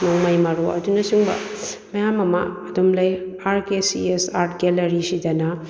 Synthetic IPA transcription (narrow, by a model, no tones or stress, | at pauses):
nɔŋmajmɐɾoɐ̰dunɐsuŋbɐ̰ | mɐjamɐma̰ːdumlɐj | aɾkesḭesaɾt̚ɡelɐɾisidɐnɐ